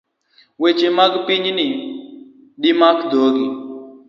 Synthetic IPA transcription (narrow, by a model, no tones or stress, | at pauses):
wet͡ʃemaɡpiɲnɪ | ɗimakd̪oɡi